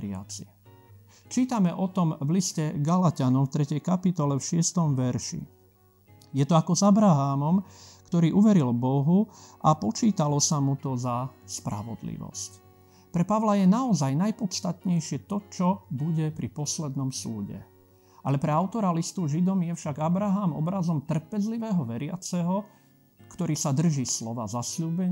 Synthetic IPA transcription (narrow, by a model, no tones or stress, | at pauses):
ɾɪa̰t͡si | t͡ʃiːt̪amɛʔɔt̪ɔmvliscɛɡalacanɔmft̪ɾɛcɛjkapit̪ɔlɛfʃɪɛst̪ɔmʋɛɾʃḭ | jɛt̪ɔakɔzabɾaɦaːmɔmkt̪ɔɾiːʔuʋɛɾilbɔɦuʔapɔt͡ʃiːt̪alɔsamut̪ɔzaspɾa̰ʋɔ̰d̪lḭʋɔ̰sc | pɾɛpaʋlajɛnaɔzajnajpɔt̪st̪at̪ɲɛjʃɪɛt̪ɔt͡ʃɔbuɟɛpɾipɔslɛd̪nɔmsṵːɟɛ̰ | ʔalɛpɾɛaʊt̪ɔɾalist̪uʒid̪ɔmjɛfʃaɡabɾaɦaːmɔ̰bɾazɔmt̪r̩pɛzliʋɛːɦɔʋɛɾɪa̰t͡sɛɦɔ | kt̪ɔɾiːsad̪r̩ʒiːslɔʋa̰ːzasʎuːbɛɲ